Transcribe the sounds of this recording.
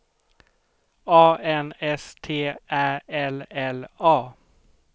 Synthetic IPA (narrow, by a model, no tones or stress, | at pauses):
ɑːʔɛnɛst̪ʰeːʔæːɛlɛlɑː